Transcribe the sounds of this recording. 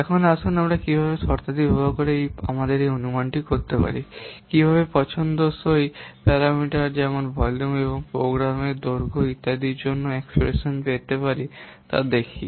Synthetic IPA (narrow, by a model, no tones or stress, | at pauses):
ɛkʰonasʰonamɾakibʱabesɔɾt̪ad̪ibʱabokoɾeja̰mad̪eɾeonumanʈikoɾt̪epa̰ɾikibʱaβepɔt͡ɕʰond̪osojpɛɾamiʈaɾd͡ʑɛmonbʱɔjlumeβoŋpɾoɡɾamed̪oɾɡʱoit̪ːad̪iɾd͡ʑonːoekspɾḛʃonpet̪epaɾi | t̪a̰d̪ekʰi